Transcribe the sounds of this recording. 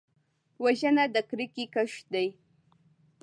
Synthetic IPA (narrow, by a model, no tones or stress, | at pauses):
waʒɐnad̪akɾikikaʃd̪aj